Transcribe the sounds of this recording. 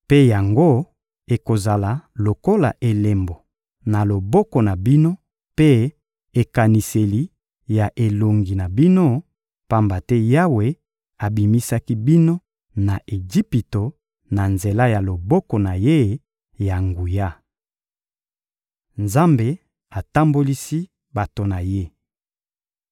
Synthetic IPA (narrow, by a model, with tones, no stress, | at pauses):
pe˦ja˨ŋɡo˦ | e˨ko˨za˨la˨lo˨ko˦la̰˨ʔe˨le˨mbo˨ | na˨lo˨bɔ˦kɔ˨na˨bi˦no˦ | pe˦ | e˨ka˨ni˨se˨li˨˦ | ja˨ʔe˨lo˨ŋɡi˨na˨bi˦no˦ | pa˦mba˨tɛ˦ja˦we˨ | a˨bi˨mi˦sa˦ki˦bi˦no˦ | na˨ʔe˨d͡ʒi˦pi˨to˨ | na˨nze˨la˦ja˨lo˨bɔ˦kɔ˨na˨je˦ | ja˨ŋɡu˨ja˦ | nza˦mbe˨ | a˨ta˦mbo˦li˦si˦ | ba˨to˨na˨je˦